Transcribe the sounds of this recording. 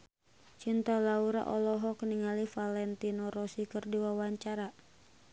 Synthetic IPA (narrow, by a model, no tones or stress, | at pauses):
t͡ʃint̪alauɾa̰ʔɔlɔɦɔkəniŋalifalɛnt̪inɔɾɔsikɨrdiwawaɲt͡ʃaɾa